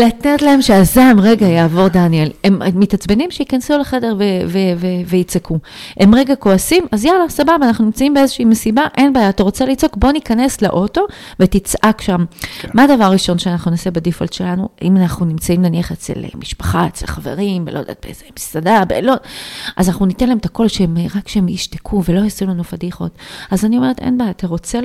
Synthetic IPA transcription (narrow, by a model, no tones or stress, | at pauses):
latetlae̞mʃeazamʁe̞ɡajaːvo̞ʁdanielemmːitat͡sbenimʃeikansuleχe̞de̞ʁvevevevejit͡sekʰuʔe̞mʁeɡako̞asimazjalasababaːnaχnunimt͡saimbeezeʃiimesibaʔe̞nbaːjataʁo̞t͡selit͡so̞kbo̞nikane̞slḛʔo̞to̞vetit͡sʔakʃamːaːdavaʁʁiʃo̞nʃeanaχnunosebedifoldʃelanuimanaχnunimt͡saimleniaχet͡sḛlḛmiʃpḁχat͡selχave̞̰ʁimbelo̞̰eda̰ːt̪̚bḛezemisadabeloʔazanaχnunitenlaemt̪ako̞lʃeemʁakʃeemjiʃtekʰuvelo̞hasulanufadiχo̞̰tazanio̞me̞etḛnbaːjat̪aʁo̞t͡se